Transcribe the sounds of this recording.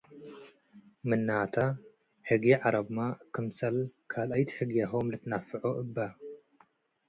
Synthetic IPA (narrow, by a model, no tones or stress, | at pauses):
mɨnːat̪ʰa | ħɨɡiʕaɾɐbmakʰɨmsɐlkʰalajt̪ħɨɡijaɦomlɨt̪ʰnafɨʕoʔɨbːɐ